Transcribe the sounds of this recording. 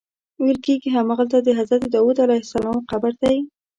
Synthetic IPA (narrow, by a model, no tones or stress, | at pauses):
weelkeɡiɦamaɣalt̪ad̪əɦazɾat̪ed̪ɑwud̪alajhɪsalɑmqabaɾt̪aji